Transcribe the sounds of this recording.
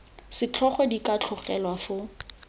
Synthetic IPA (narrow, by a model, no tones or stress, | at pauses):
sɪt͡ɬʰɔχɔdikat͡ɬʰʊχɛ̰lwafʊ